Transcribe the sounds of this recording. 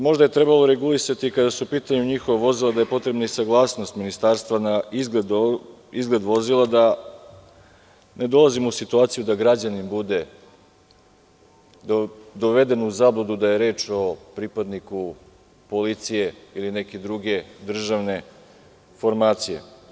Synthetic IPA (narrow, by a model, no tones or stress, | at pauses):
mo̞ʒd̪aje̞t̪ɾe̞balˠoɾe̞ɡulisat̪ikad̪asuupiːt̪aɲuɲixoʋaʋo̞zilˠad̪ajepo̞t̪ɾe̞bnaisaɡlˠaːsno̞st̪minist̪aːɾst̪ʋanaid̪ | izɡled̪ʋo̞zilˠad̪a | ne̞d̪o̞lˠazimousit̪uaːt̪sijud̪aɡɾad͡ʑanimbud̪e̞ | d̪oʋed̪e̞nuzaːblˠod̪ud̪aje̞ɾe̞ːt͡ʃo̞pɾipad̪niku | po̞lit̪sije̞ilineke̞d̪ɾuɡe̞d̪r̩ʒaʋne̞ | fo̞ɾmaːt̪sijḛ